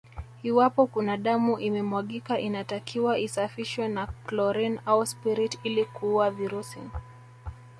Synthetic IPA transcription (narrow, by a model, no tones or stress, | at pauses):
hiwapɔkunaɗamuʔimɛmwaɠikaʔinatakʰiwaʔisafiʃwɛnaklɔɾɛnauspiɾitilikuuaviɾusḭ